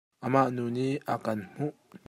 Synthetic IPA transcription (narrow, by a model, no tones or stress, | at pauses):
ʔəmaʔnuniʔəkɐnm̥uʔ